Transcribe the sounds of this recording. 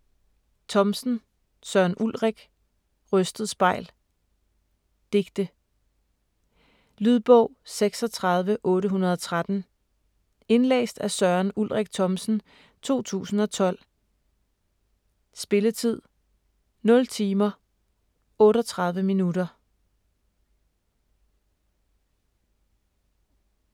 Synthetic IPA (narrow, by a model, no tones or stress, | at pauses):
t͡sʰɒ̽msn̩ | sɶɐnʔulʁeɡ̥ | ʁœsd̥ð̞̩ˠsb̥ɑ̈ɪ̰l | d̥e̝ɡ̥d̥ə | lyðˠb̥ɔʊ̰seɡ̥sɒ̽t͡sʰʁɑ̈ðˠʋəʔɔ̽ːɾəɦunɐð̞ˠɒ̽t͡sʰʁad̥n̩ | e̝nlḛːsd̥æsɶɐnulʁɛɡ̥̚t͡sʰɒ̽msn̩ | t͡sʰo̝̰ːt͡sʰṵːsn̩ɒ̽t͡sʰɒ̽l̰ | sb̥e̝lət͡sʰið̞̰ˠ | nɔ̽lt͡sʰiːmɐ | ɔ̽ːɾɒt͡sʰʁɑ̈ð̞ˠʋəminuɾɐ